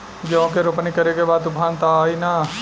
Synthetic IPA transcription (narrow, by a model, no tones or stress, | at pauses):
d͡ʒɐʋõkeɾopnikɐɾekebaːd̪ʊpʰaːnt̪aaːina